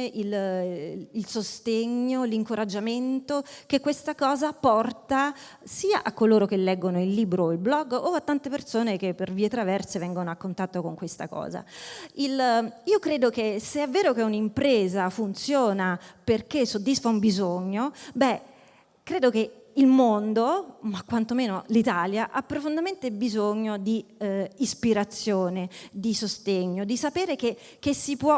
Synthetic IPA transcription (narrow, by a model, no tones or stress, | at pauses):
ʔil | ilsost̪eɲːoliŋkoɾad͡ʒːament̪okekːwest̪akɔːzapɔrt̪a | siːa̰ʔakːoloːɾok̟elːɛɡːonoilːiːbɾoilblɔɡːoat̪ːant̪epersoːnekepːerviːet̪ɾavɛrsevɛŋɡonoakːont̪at̪ːokoŋkwest̪a̰kɔ̰ːza̰iliːokɾeːd̪okeseɛvːeːɾokeunimpɾeːzafunt̪sjoːnaperk̟esːod̪ːisfaumbizoɲːobɛ | kɾeːd̪oke | ilmond̪omakːwant̪omeːnolit̪aːljaʔapːɾofond̪ament̪ebizoɲːod̪iː | spiɾat̪sːjoːned̪isost̪eɲːod̪isapeːɾeke | k̟esːipwɔ